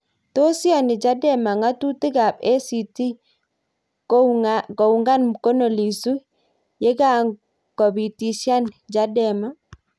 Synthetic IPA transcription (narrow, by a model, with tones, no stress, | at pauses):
to˦sja˨ni˨d͡ʒa˦dɛ˦˨ma˨ŋa˦tu˦ti˦ɡa˨be˦si˨ti˦ | ko˨wŋɡa˦nko˦no˨li˨su˦ | je˦ɡa˦˨ | kɔ˨bi˨ti˨si˦a˦nd͡ʒa˦dɛ˨ma˦